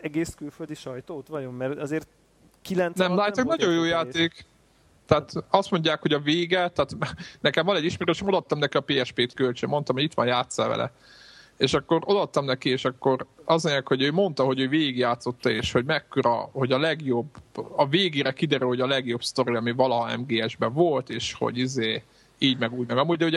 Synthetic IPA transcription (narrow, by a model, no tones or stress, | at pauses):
ɛɡeːskylføld̪iʃɒjt̪oːt̪ʋɒjomːɛrɛzeːrt̪ | kilɛnt̪nɛmlaːj̪ɒknnɒɟo̞joːjaːt̪eːk | t̪aːt̪ɒst̪mo̞ɲɟaːkho̞ɟɒveːɡɛt̪aːt̪nɛkɛmvɒnɛɟːiʃmeɾøeʃɛmd̪ɒt̪ːɒmnɛkiɒpeːɛʃpeːt̪kølt͡ʃø̰mo̞nt̪ɒmhoɟit̪ʋɒ̰njaːt̪sɒvɛ̰lʔɛ̰ | eːʃɒkːo̞ɾo̞d̪ɒt̪ːɒmnɛkieːʃɒkːo̞ɾɒzeɛkhoɟøːmo̞nt̪ɒɦo̞ɟøːveːɡiɡjaːt̪so̞t̪ːɒeːʃho̞ɟmɛkːøɾɒ̰ho̞ɟɒlɛɡjo̞bɒveːɡeːɾɛkid̪ɛɾylho̞ɟɒlɛɡjo̞bst̪o̞ɾiɒmivɒlɒɦɒɛ̰mɡeːɛʒbɛvo̞lt̪eːʃho̰ɟizeː | iːɟmɛɡuːɟmɛɡɒmuːɟ̚d̪ɛho